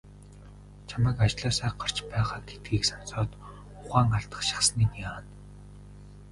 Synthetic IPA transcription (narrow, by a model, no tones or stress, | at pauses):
t͡ɕʰamæːkat͡ɕɮaːsæːɢar̥t͡ɕpæːʁaːɡe̥t̪ɡiːksɔnsɔːt̪ | ʊχaːŋaɬt̪ə̥̆χʃḁχsniːniaːn